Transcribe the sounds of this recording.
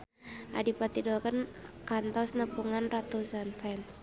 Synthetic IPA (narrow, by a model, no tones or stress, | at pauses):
ʔa̰dipat̪idɔkənkant̪ɔsnəpuŋanrat̪usanfɛns